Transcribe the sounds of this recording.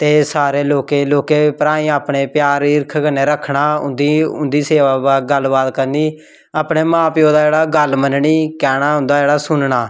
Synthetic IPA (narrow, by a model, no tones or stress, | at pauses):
t̪eːsaːɾeːloːkeːloːkeːpəɾaːĩːaːpɳeːpjaːɾɪɾkʰkənːeːɾəkʰɳaːʊ̰̃nd̪iːʊ̰nd̪iːseːʋaːbaːɡəlʋaːt̪kəɾniː | aːpɳeːmãːpjõːd̪aːd͡ʒeːɽaːɡəlmənɳiːkɛːɽ̃aːʊ̃nd̪aːd͡ʒeːɽaːsʊnɳaː